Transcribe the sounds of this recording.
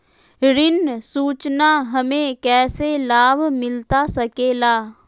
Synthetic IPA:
ɾɪnsuːt͡ʃnaɦəmẽkɛːselaːbʱmɪlt̪asəkeːlaː

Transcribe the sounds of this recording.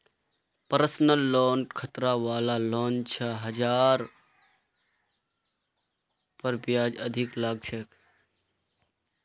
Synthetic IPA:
pəɾəsnəlːoːnkʰət̪ɾaːʋaːlaloːnt͡ʃʰaɦɐd͡ʒaːɾ | pɐɾbjaːd͡ʒəd̪ʱɪklaːɡʃʰək

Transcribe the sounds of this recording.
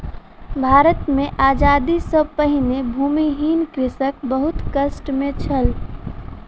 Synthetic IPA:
bʱaːɾət̪mẽʔaːd͡ʒaːd̪isɔpəɦinebʱuːmiɦiːnkɾɪsək̚bəɦʊt̪kəsʈmẽt͡ʃʰəl

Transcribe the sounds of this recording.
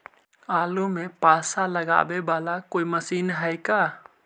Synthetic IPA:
aːlumɛ̃pasalɐɡa̰ʔbɛbaːlakojməsiːnɦəjka

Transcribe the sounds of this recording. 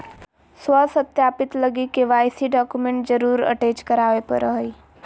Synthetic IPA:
swəsət̪jaːpɪt̪ləɡikeʋaːjsiɖaːkumẽɳʈ̚d͡ʒəɾuːɾə̰ʈeːt͡ʃkəɾaːʋepə̰ɾəɦəi

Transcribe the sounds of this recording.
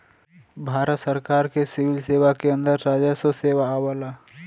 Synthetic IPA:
bʱaːɾət̪səɾkaːɾkesɪʋɪlseːʋakeə̃nd̪əɾɾaːd͡ʒəsoseːʋaaːwəla

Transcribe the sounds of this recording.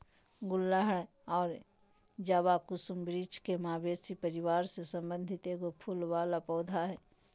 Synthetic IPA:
ɡʊlːaɦɽ | ɔːɾ | d͡ʒaːʋakʊsʊmbɾiːt͡ʃkemaːbeːsipəɾɪwaːɾsesə̃mbə̃nd̪ʱɪt̪eɡopʰʊlwaːlapɔːd̪ʱaɦɛː

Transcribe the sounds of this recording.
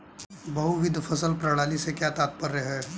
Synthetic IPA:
bɐɦuʋɪd̪ʱfʰɐsəlpɾɐɽaːlisekjat̪aːt̪̚pəɾːɛɦɛː

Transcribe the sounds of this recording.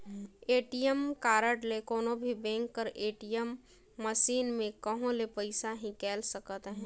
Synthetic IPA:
eːʈijəmkaːɾəʈlekoːnõbʱibẽːŋkːəɾʔeːʈijəmː | əʃiːnmẽkəɦõlepəɪsaɦĩkɛːlsəkt̪ɦɛ̃ː

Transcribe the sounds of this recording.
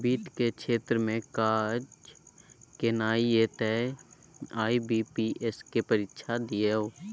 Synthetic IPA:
biːt̪kekʃʰeːt̪ɾəmẽkaːd͡ʒ | kenaːiet̪ɛ | aːibiːpiʔeskepəɾɪtːʃʰad̪ieoː

